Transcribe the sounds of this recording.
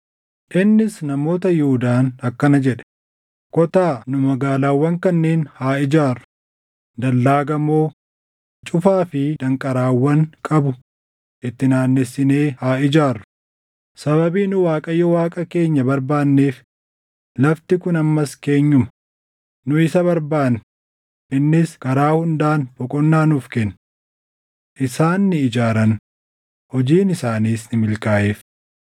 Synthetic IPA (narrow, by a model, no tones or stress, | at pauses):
ʔɪnːɪsnɐmo̞ːt̪̬ɐjʊʊd̪aːnɐkːɐnɐd͡ʒɛᶑɛ̥ | kɔt̪aːnʊmɐɡaːlaːwːɐŋkɐnːe̞ːnhaːɪd͡ʒaːrːʊ̥ | d̪ɐlːaːɡɐmːo̞ː | t͡ʃʼʊfaːfɪd̪ɐŋkʼɐɾaːwːɐŋkʼɐbʊ | ʔɪt̪ːɪnaːnːɛsːɪne̞ːhaːɪd͡ʒaːrːʊ̥ | sɐβɐbiːnʊwaːkʼɐjɔwaːkʼɐke̞ːɲːɐbɐɾbaːnːeːf | lɐft̪ɪkʊnɐmːɐske̞ːɲːʊmɐ | nʊɪsɐβɐɾbaːn | ɪnːɪskɐɾaːhʊnd̪aːnbɔkʼɔnːaːnuːfkɛnː | ʔɪsaːnːɪɪd͡ʒaːɾɐn | hɔd͡ʒiːnɪsaːniːsnɪmɪlkaːʔeːf